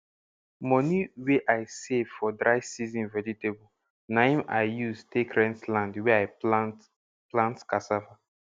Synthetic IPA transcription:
mɔniweʔaɪsevfɔdɾaɪsizĩnvɛd͡ʒitebo | nãɪ̃maɪjustʰekɹɛ̃ntlãndwɛaɪ | plãntkasava

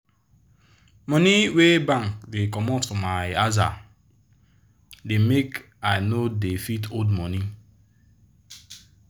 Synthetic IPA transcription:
mɔniwebãŋkdekɔmɔtːomaɪaza̰ | demek | aɪnodefitodmɔni

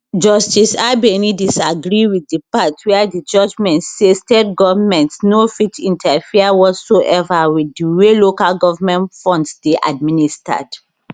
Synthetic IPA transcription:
d͡ʒɔstisaɪbenidisaɡɹiwiddipatwiadid͡ʒɔd͡ʒmɛ̃ntsestetɡɔvamɛ̃ntsnofitĩntʰafiawɔtsoʔɛvawidiwelokalɡɔvamɛ̃ntfɔ̃ndsdeʔa̰d̚minista̰d̥

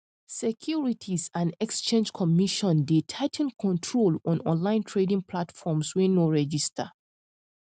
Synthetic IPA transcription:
sɛkʰjuɹitʰisãndɛkst͡ʃẽnd͡ʒkʰɔmiʃɔ̃ndetʰaɪtʰnkʰɔ̃ntʰɹolɔ̃nɔ̰̃nlãɪ̃ntʰɹedĩŋpʰlatfɔmswɛ̃noɹɛd͡ʒistʰə

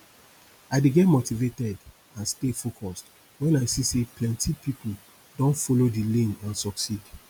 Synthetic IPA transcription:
aɪdeɡɛtmotivetɛd | ãnstefokʰɔst | wɛ̃naɪsiseplɛ̃ntipipʰu | dɔ̃nfolodilẽnãnsɔksid

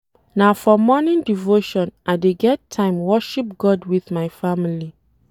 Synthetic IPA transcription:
nafɔmɔnĩndivoʃɔ̃nʔaɪdeɡɛtʰːãɪ̃mwɔʃip̚ɡɔdwiðmaɪfamili

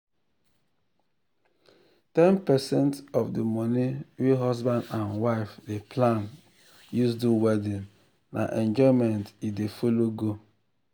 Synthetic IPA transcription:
tɛnpɛsɛ̃ntɔvdemɔniwiɦɔzbãndãnwaɪfdepʰlãn | jusduwɛdĩn | nʔa̰ʔɛ̃nd͡ʒɔmɛntidefoloɡo

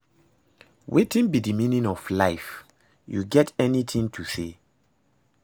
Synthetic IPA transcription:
wʔetĩnbidimĩnĩŋɔflaɪf | jṵɡɛtɛnit̪ʰĩŋtʰusḛ

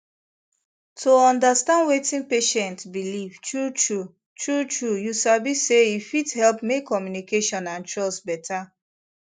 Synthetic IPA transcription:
tʰoɔ̃ndastãndwetĩnpeʃɛ̃ntbiliv̥tɹutɹu | tɹutɹujusabiseifithɛlpmekʰːɔmjunikeʃɔ̃nãnt͡ʃɔsbɛtʰa

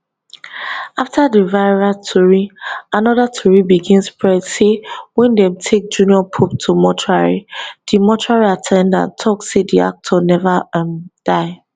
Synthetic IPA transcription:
aftʰadivaɪɹatʰɔɹianɔðatʰɔɹibiɡĩnspɹɛsewɛ̃ndɛ̃mtʰek̚d͡ʒũniɔpʰup̚tʰumɔtʰɹaɹḭd̥imɔtʰɹaɹiatʰɛ̃ndã̰ntʰɔksedia̰k̚tʰɔnɛvad̥aɪ

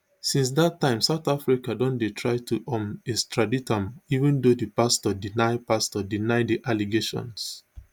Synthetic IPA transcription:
sĩns̬datːãɪ̃msaʊtafɹikadɔ̃nletʰɹaɪtʰuʔɔ̃mistʰɹaditãmivə̃ndodəpastɔdinaɪpastɔdinaɪdiʔaliɡeʃɔ̰̃ns

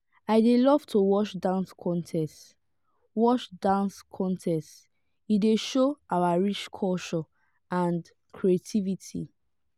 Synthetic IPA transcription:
aɪdelɔv̥tʰowɔʃdãnskʰɔ̃ntʰɛst | wɔt͡ʃdãnskʰɔ̃ntʰɛst | ideʃoʔawaɹit͡ʃkʰɔʃɔ | ãnd | kʰɹietʰivitʰḭ

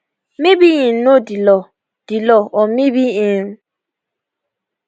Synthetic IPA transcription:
mĩbijĩnodilɔ | d̥ilɔʔɔmĩbiĩn

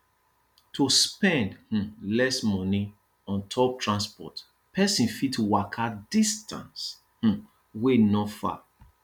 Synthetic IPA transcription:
tʰuspɛ̃ndh̩lɛsmɔni | ɔ̃ntʰɔp̚tʰɹãnspɔ̰t | pʰɛsĩnfitʰuwakʰadistʰã̰ns | h̩ | wenɔtfa̰

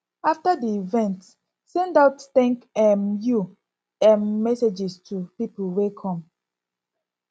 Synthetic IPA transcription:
aftadiivɛ̃nt | sɛ̃ndaʊttɛ̃ŋkɛmju | ɛ̃mːɛsed͡ʒistʰupipulwekʰɔ̃m

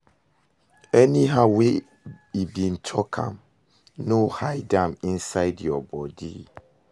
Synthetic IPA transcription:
ɛniɦaʊwe | ibĩntʰɔkʰã̰m | nohaɪdãmĩnsaɪdjɔbɔdḭ

